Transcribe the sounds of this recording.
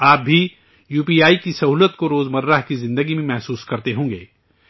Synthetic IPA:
aːp̚bʱi | juːpiːaːikisɐɦuːlət̪̚koɾoːzmɐɾːaɦkizɪ̃nd̪əɡimẽmɛɦsuːskɐɾt̪eɦõːŋɡeː

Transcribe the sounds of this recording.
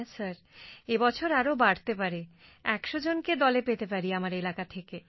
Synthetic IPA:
saɾ | ebɔt͡ɕʰoɾaɾobaɽt̪ep̬aɾe | ɛkʃod͡ʑonked̪ɔlepet̪epaɾiamaɾelakat̪ʰeke

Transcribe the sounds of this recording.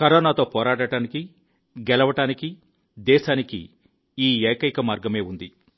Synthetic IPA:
kɐɾoːnaːt̪o̞ːpɔːɾaːʈɐʈaːniki | ɡɛlɐʋɐʈaːniki | d̪ɛːʃaːnikḭ | iːeːkɐjikɐmaːɾɡɐme̞ːund̪i

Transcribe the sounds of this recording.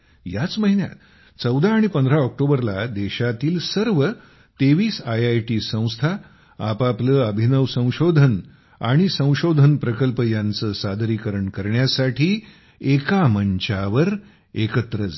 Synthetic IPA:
jat͡sməɦinja̰t̪ | t͡səwd̪ʱaːɽ̃ipənd̪əɾaɔk̚ʈobəɾlad̪eɕat̪iːlsəɾʋə | t̪eʋiːsajajʈiːsə̃w̃st̪ʰa | a̰papləːəbʱinəʋsə̃w̃ɕod̪ʱən | aɽ̃isə̃w̃ɕod̪ʱənpɾəkəlpəjant͡səːsad̪ʱɾikəɾəɳkəɾɳjasaʈʰiː | ekaməɲt͡ɕaʋəɾ | ekət̪ɾəd͡z

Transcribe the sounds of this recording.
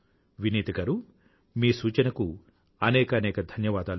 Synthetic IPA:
ʋiniːt̪iɡɐɾu | miːsuːt͡ʃɐnɐku | ɐnɛːkɐnɛːkɐd̪ʱɐnjɐʋaːd̪aːl

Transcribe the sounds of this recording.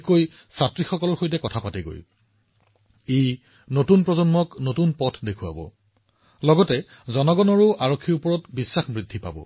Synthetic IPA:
koj | satɹixɔkɔlɔɹxojtɛkɔtʰapatɛɡo̰j | ej | notunpɹɔzɔnmɔknotunpɔtʰdekʰuwa̰bɔ̰ | lɔɡɔtɛ | zɔnɔɡɔnɔɹʊʔaɹokʰːiɹupɔɹɔtbisːaxbɹidʱipa̰bɔ̰

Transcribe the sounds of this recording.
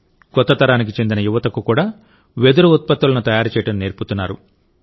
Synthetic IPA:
kɔt̪ːɐt̪ɐɾaːnik̬it͡ʃe̞nd̪inɐjuʋɐt̪ɐkukuːɽaː | ʋe̞d̪uɾuut̪̚pɐt̪ːulɐnut̪ɐjaːɾut͡ʃɛjɐʈɐmne̞ːɾput̪unːaːɾṵ

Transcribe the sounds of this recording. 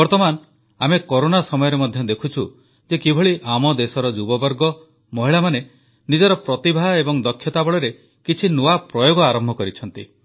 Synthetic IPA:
bɔɾt̪ɔman | amekoɾonasɔmɔjɔɾemɔd̪ʱjɔd̪ekʰut͡ʃʰu | d͡ʒekibʱɔɭiʔamɔd̪esɔɾɔd͡ʒubɔbɔɾɡɔ | mɔɦiɭamane | nid͡ʒɔɾɔpɾɔt̪ibʱaebɔŋd̪ɔkʰːjɔt̪abɔɭɔɾe | kit͡ʃʰinuapɾɔjoɡɔaɾɔmbʱɔkɔɾit͡ʃʰɔnt̪i

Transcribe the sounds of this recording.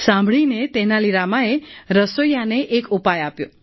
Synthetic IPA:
sãmbʱɭinet̪enaliɾamaeɾəsojaneʔekupajapjo

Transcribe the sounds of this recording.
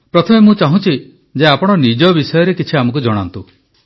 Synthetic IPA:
pɾɔt̪ʰɔmemũt͡ʃaɦũt͡ʃʰi | d͡ʒeapɔɽ̃ɔnid͡ʒɔbisɔjɔɾekit͡ʃʰiamɔ̃kud͡ʒɔɽ̃a̰nt̪u

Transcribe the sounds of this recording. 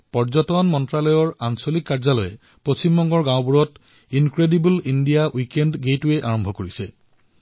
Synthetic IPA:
pɔɹzɔtɔnmɔntɹalɔjɔɹansolikːaɹzalɔjɛ | pɹosimbɔŋɡɔɹɡãw̃buɹɔt | inkɹedibulindijawikendɡetuɛʔaɹɔmbʱɔkoɹisɛ̰

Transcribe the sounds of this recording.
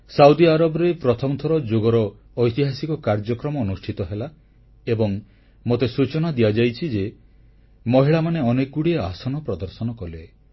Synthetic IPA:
sawd̪iaɾɔbɔɾepɾɔt̪ʰɔmɔt̪ʰɔɾɔd͡ʒoɡɔɾɔː | jt̪iɦasikɔkaɾd͡ʒɔkɾɔmɔːnusʈʰit̪ɔɦela | ebɔŋ | mot̪esut͡ʃɔnad̪ijad͡ʒajt͡ʃʰid͡ʒe | mɔɦiɭamaneɔnekuɽieasɔnɔpɾɔd̪ɔɾsɔnɔkɔle

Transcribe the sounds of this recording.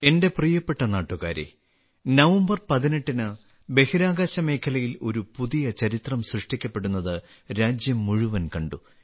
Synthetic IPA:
e̞nde̞prijɐpːe̞ʈːɐnaːʈːuɣaːɾḛ | nɐʋɐmbɐrpɐðineʈːinɨ | be̞hiɾaːɣaːɕɐme̞ːkʰɐlɐjilo̞ɾupuðijɐt͡ɕɐɾit̪rɐmsrɨʂʈikʲːɐpːe̞ɽunːɐðɨ | ɾaːd͡ʑjɐmːuɻuʋɐnkɐɳɖu

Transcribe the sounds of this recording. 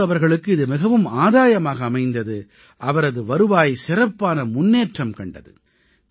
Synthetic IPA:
ɐʋɐɾɣɐɭɯkːɯɪðɯmɪɣɐʋɯmaːðaːjɐmaːɣɐːmɐɪnd̪ɐðɯ | ʔɐʋɐɾɐðɯʋɐɾɯʋaːjsɪrɐpːaːnɐmʊnːeːʈrɐmkɐɳɖɐ̰ðɯ̰

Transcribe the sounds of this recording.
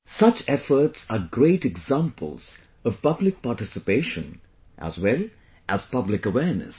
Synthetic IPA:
sʌt͡ʃɛfə˞tsəɡɹeɪʈɛɡzãmpʰəlˠz̥ | ʌv̥pʌblɪk̚paʈɪsɨpeɪʃə̰̃n | ʔæ̰zwɛlˠ | ʔæz̥pʌblɪkəwɛɹnɨ̰s

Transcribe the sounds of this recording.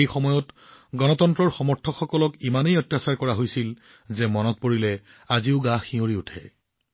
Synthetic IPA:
ejxɔmɔjɔtɡɔnɔtɔntɹɔɹxɔmɔɹtʰɔkxɔkɔlɔkimanejɔtːjasaɹkɔɹaɦojsil | zɛmɔnɔt̚poɹilɛ | aziʊɡãxioɹiutʰɛ̰

